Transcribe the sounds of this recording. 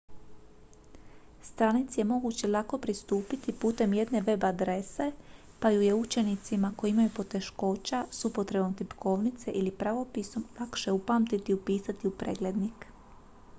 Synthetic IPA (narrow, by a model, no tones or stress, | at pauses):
st̪ɾanit̪sije̞mo̞ɡut͡ɕelˠako̞pɾist̪uːpit̪ipuːt̪e̞mje̞d̪ne̞ʋe̞bad̪ɾe̞se̞ | pajuje̞ut͡ʃe̞nit̪simako̞jiimajupo̞t̪e̞ʃko̞ːt͡ɕasuupo̞t̪ɾe̞bo̞mt̪ipkʰo̞ːʋnit̪se̞ʔilipɾaʋo̞piso̞mlˠakʃe̞upaːmt̪it̪iupiːsat̪iupɾḛːɡle̞d̪nik